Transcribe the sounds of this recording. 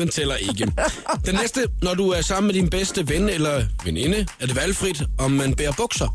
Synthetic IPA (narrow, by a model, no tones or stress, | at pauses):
ent͡sʰel̰ɐʔe̝ɡ̥əd̥enːesd̥ənɒduæɐsɑ̈m̰n̩med̥inb̥esd̥əʋenelɐʋene̝nəæɐd̥e̝ʋælfʁid̥ɒ̽mːænb̥eːɐb̥ɔ̽ɡ̥sɐ